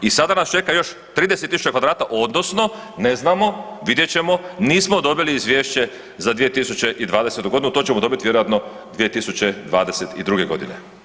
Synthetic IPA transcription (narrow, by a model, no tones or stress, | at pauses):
isad̪anast͡ʃe̞kajo̞ʃ | t̪ɾiːd̪eset̪ːisu̥t͡ɕekʋad̪ɾaːt̪aʔo̞d̪no̞sno̞ | ne̞znaːmo̞ʋid̪je̞t͡ɕe̞mo̞niːsmo̞d̪o̞biliizʋje̞ːʃt͡ɕe̞ | zad̪ʋije̞t̪isut͡ɕe̞ʔid̪ʋaːd̪e̞se̞t̪uɡo̞d̪inut̪ot͡ɕemo̞d̪o̞bit̪iʋjeɾojat̪no̞ | d̪ʋije̞t̪isut͡ɕe̞d̪ʋaːd̪eset̪id̪ɾuɡeɡo̞d̪ine̞̰